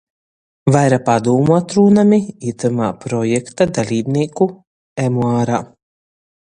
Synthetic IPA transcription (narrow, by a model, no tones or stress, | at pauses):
vajɾapad̪uːmuat̪ɾuːnamiit̪amaːpɾɔjɛkt̪ad̪alʲiːbniɛku | ɛmuaːɾaː